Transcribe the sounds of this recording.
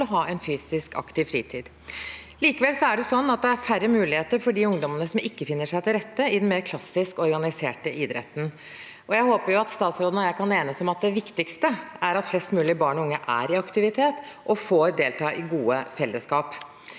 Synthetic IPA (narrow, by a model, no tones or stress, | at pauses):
ɔɦɑːɛnfyːsɪskɑ̰kt̪ɪʋfɾiːt̪ʰiːd̪ | liːkəʋɛlsɔæɖɛsɔnːɑt̪̚d̪ɛæɾfæɾːəmʉːlɪheːt̪əɾfɔɖɪʊŋd̪ɔmənəsɔmɪkːəfɪnːəʂæɪt̪ʰɪlɾɛt̪ːəɪd̪ɛnmeːɾkʰlɑsːɪskɔɾɡɑnɪsḛːʈəʔɪd̪ɾɛ̰t̪ːn̩ | ʔɔjæɪhoːpəɾjʊɑt̪st̪ɑːt̪sɾoːd̪ənɔjæɪkʰɑneːnəsɔmɑt̪̚d̪ɛʋɪkt̪ɪkst̪əæɾɑt̪flɛst̪mʉːlɪbɑːɳɔʊŋːəʔæ̰ɾɪɑkt̪ɪʋɪt̪ʰeːt̪ | ʔɔfoːɾd̪eːlt̪ʰɑːʔɪɡuːəfɛlːəskɑːp